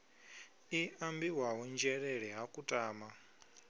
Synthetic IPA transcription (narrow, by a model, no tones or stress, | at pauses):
iʔambiwaɦɔnd͡ʒɛɺɛɺɛɦakʼutʼaːma